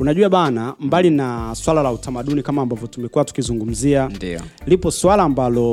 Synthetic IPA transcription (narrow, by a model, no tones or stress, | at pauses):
unaʄuaɓanambalinaswalalautʰamaɗunikamaːmbavjɔtumɛkuwatu̥kizuŋɡum̩ziandilipɔswalaːmbalɔ